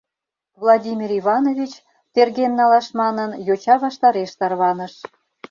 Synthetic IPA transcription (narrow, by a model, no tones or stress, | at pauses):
βlˠɑdʲimʲiɾiβɑnoβʲit͡ɕ | t̪erɣemnɑlɑʃmɑnənjot͡ɕɑβɑʃt̪ɑɾeʃt̪ɑrβɑnəʃ